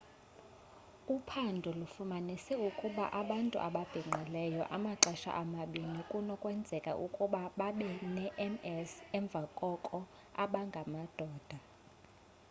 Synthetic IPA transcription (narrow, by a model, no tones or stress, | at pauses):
upʰandʱulufumanisɛukʼuɓa̰ʔaɓantʼṵʔa̰ɓab̥ʱiŋ͡ǃʱilɛjɔ̰ʔamaǁɛʃa̰ʔamaɓinikʼunɔkʼwɛnd͡zʱɛkʼa̰ʔukʼuɓaɓaɓɛnɛʔɛmɛsɛɱb̪vʱakʼɔkʼɔ | aɓaŋɡʱamad̥ʱɔːd̥ʱa